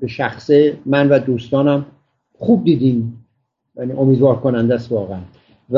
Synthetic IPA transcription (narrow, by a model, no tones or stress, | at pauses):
beʃæxsemænvæd̪uːst̪ɒːnæm | χuːb̚d̪iːd̪iːn | jæniʔomiːd̪vɒːɾkʰonænd̪æsvɒːɣeæn | v